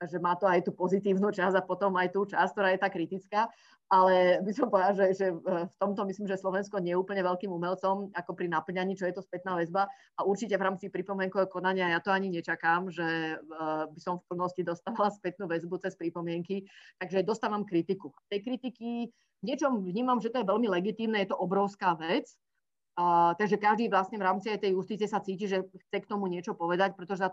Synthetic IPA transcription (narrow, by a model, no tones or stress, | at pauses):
ʒɛmaːt̪ɔajt̪uːpɔzit̪iːʊnuːt͡ʃazapɔt̪ɔmajt̪uːt͡ʃask̚t̪ɔɾaːjɛt̪aːkɾit̪it͡skaː | alɛbisɔmpɔʋɛd̪laʒɛʒɛft̪ɔmt̪ɔmisliːmʒɛslɔʋɛnskɔɲɛuːpl̩ɲɛʋɛʎkiːmumɛlt͡sɔmakɔpɾinapl̩ɲaɲiːt͡ʃɔjɛt̪ɔspɛt̪naːʋɛzba | auɾt͡ʃicɛvɾaːmt͡sipɾipɔmɪɛŋkɔkɔnaɲɪajat̪ɔaɲiɲɛt͡ʃakamʒɛ | bisɔmfpl̩nɔscid̪ɔst̪aːʋalaspɛt̪̚nuːʋɛzbut͡sɛspɾipɔmɪɛŋkit̪aɡʒɛd̪ɔst̪aːʋamkɾit̪ikuat̪ɛjkɾit̪iki | vɲɪɛt͡ʃɔmvɲiːmamʒɛt̪ɔjɛʋɛlmilɛɡit̪iːmnɛjɛt̪ɔʔɔbɾɔʊskaːʋɛt͡sː | t̪aɡʒɛkaʒd̪iːʋlasɲɛvɾaːmt͡siajt̪ɛjust̪it͡siɛsat͡siːciʒɛxt͡sɛkt̪ɔmuɲɪɛt͡ʃɔpɔʋɛd̪ac̚pɾɛt̪ɔʒɛsa